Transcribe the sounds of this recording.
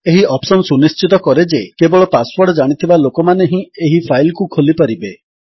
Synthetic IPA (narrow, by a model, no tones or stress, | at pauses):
eɦiɔpsɔnsunist͡ʃit̪ɔkɔɾed͡ʒekebɔɭɔpaswɔɾɖɔd͡ʒaɽ̃it̪ʰibalokɔmaneɦĩeɦipʰajlkukʰolipaɾibe